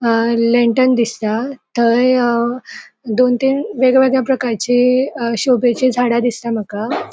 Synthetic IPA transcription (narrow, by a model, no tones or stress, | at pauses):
leɳʈənd̪ist̪at̪əɾ | d̪ont̪iːnʋeɡʋeɡɭjapɾəkaɾt͡ɕeɕobet͡ɕed͡zʱaɽad̪ist̪am̤əka